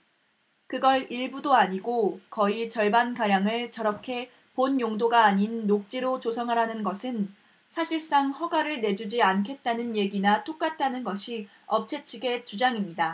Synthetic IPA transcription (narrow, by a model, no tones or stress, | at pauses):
kɯɡʌɭiɭbudoaɲiɡokʌit͡ɕʌɭbankaɾjaŋɯɭt͡ɕʌɾʌkʰe̞ | ponjoŋdoɡaːɲinːok̚t͡ɕ͈iɾot͡ɕosʰʌŋɦaɾanɯnɡʌsʰɯn | sʰaɕʰiɭs͈aŋɸʌɡaɾɯɭne̞d͡ʑud͡ʑiankʰe̞t̚t͈anɯnje̞ɡinat͈ok͈at̚t͈anɯnɡʌɕʰi | ʌp̚t͡ɕʰe̞t͡ɕʰiɡe̞t͡ɕud͡ʑaŋimɲida